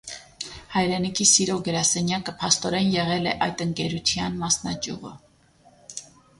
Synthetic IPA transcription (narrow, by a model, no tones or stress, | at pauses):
hɑjɾɛnikʰisiɾɔɡəɾɑsɛnjɑkəpʰɑst̪ɔɾɛnjɛʁɛlɛʔɑjt̪əŋkɛɾut̪ʰjɑnmɑsnɑt͡ʃjuʁə̰